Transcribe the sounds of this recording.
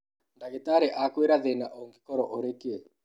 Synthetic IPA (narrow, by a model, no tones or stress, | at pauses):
ndaɣetaɾeʔakweɾaðenaʔoŋɡikɔɾɔʔoɾekee